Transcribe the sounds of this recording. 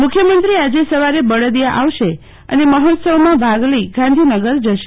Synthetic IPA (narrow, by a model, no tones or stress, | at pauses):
mʊkʰjəmənt̪ɾiad͡ʒesəʋaɾebəɽəd̪jaʔaʋʃe | ə̰neməɦot̪səʋmãbʱaɡləiɡãnd̪ʱinəɡəɾd͡ʒəʃe